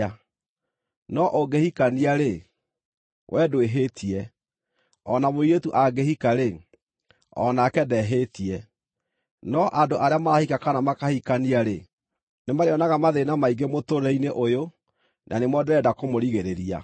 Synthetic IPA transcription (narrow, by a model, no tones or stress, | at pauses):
a | nɔʔoɡehikaniaɾe | wʔɛdweɦetʰiɛ | ɔnamoietuʔaɡehikaɾe | ɔ̰nakɛdɛɦetiɛ | nɔʔadoʔaɾeamaɾahikakanamakahikaniaɾe | nemaɾeɔnaɣamaðenamaiɡemotoɾɛineʔojo | nʔa̰nemwɔdɛɾɛdakomoɾiɣeɾeɾia̰